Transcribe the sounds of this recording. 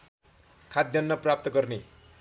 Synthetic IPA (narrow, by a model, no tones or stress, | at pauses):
kʰad̪jʌnːʌprap̚t̪ʌɡʌrne